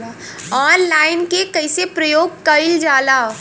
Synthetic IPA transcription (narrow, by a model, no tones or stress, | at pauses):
ɔːnlaːɪnkekɐɪsepɾəjoːɡ̚kəɪld͡ʒaːla